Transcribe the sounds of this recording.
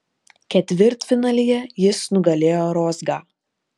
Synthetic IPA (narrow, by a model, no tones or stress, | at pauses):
kʲɛt̪ʲʋʲɪɾt̪fʲɪnɑːlʲijɛjɪsnʊɡɐlʲeːjoːɾoːzɡɑː